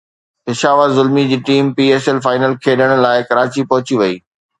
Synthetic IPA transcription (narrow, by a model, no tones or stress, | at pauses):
ɪʃaːʋazʊlmid͡ʑiːʈiːmpiːeːsɛlfaːɪnəlkʰeːɗəɽ̃̆laːɪkɐɾaːt͡ɕipɐɦʊt͡ɕiʋɐiː